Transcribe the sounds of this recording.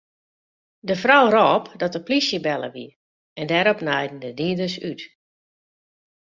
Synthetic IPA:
dəfrɔwrɔːpdɔtəplisjəbɛlˠə̰ʋḭ | ɛndɛɾɔpnɛjdn̩dədiədəsyt

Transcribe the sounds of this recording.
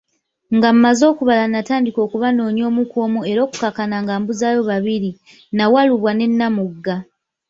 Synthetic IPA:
ŋɡammazo̞ːkuβalanataːndiko̞ːkuβano̞ːɲo̞ːmukoːmue̞ɾo̞ːku̥kakanaŋɡaːmbuzaːjo̞βaβiɾi | nawaluβwane̞nːamuɡːa

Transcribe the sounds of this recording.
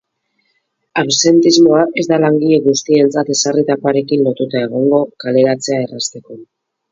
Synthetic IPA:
awse̞nt̪izmo̞aʔe̞zd̪alaŋɡiʎe̞ɣust̪ie̞nt͡sat̪e̞sarit̪apaɾe̞kinlo̞t̪ut̪ae̞ɣ̞o̞ŋɡo̞kale̞ɾat͡se̞ae̞rast̪e̞ko̞

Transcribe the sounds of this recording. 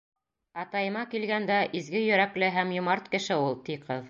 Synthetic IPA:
ɑt̪ɑjɤ̆mɑkilɡænd̪æʔizɡɘjɵ̆ɾæklɘɦæmjŏmɑɾt̪kɘ̆ʃɘulˠt̪iqɤð

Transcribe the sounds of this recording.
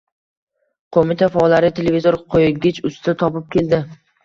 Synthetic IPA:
qʰomɪt̪ʰafaɒlːaɾɪt̪ʰelevizoɾqʰojɪɡʲɪt͡ʃʊst̪ʰɪt̪ʰɒpɪp̚kʲe̞ld̪ɪ

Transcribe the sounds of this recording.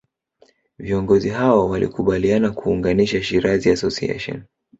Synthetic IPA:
viɔŋɡɔziɦawawalḭkuɓalianakuːŋɡaniʃaʃiɾaziasɔsiɛ̰ʃɔ̰n

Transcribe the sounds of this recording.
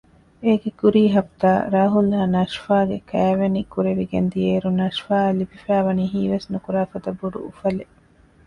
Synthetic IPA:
eːɡekuɾiːɦɐpt̪aːɾaːɦulɦaːnɐʃfaːɡekæːʋenikuɾeʋiɡend̪ieːɾunɐʃfaːlibifæːʋɐniːɦiːʋesnukuɾaːfɐt̪ɐbːuɖṵufɐle

